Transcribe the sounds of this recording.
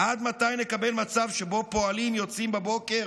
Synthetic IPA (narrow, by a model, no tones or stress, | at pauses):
ʔad̪mat̪ajnekabelmat͡savʃebo̞po̞alimjo̞t͡simbabo̞ke̞